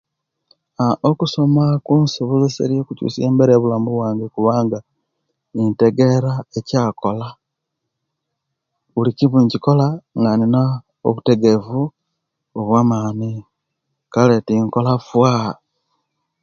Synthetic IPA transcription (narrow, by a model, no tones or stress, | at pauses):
aokuso̞makuːnsoβulusḛɾijokucṵːsieːmbeɾeːβulaːmbuβwaːŋɡekuβaːŋɡa | inte̞ɡe̞ɾaecaːko̞la | βuliciβuɲciko̞laŋɡanina | o̰βute̞ɡe̞vu | oβwaːmaːni | kale̞tiŋko̞lafwa